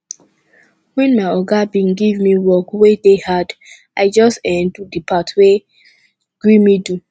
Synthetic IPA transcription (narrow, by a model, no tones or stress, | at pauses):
wɛ̃nmaɪɔɡabĩnɡivmiwɔkwedehad | ʔaɪd͡ʒɔstɛdudipʰatwe | ɡ̥ɹimidu